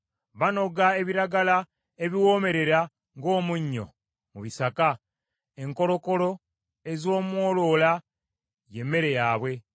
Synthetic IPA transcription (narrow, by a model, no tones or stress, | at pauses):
βano̞ɡae̞βiɾaɡala | eβiwo̞ːme̞ɾe̞ɾa | ŋɡo̞ːmuɲːo̞̰ | muβisaka | e̞ŋko̞lo̞ko̞lo̞ | e̞zo̞ːmwo̞ːlo̞ːla | je̞mːe̞ɾe̞jaːβwe̞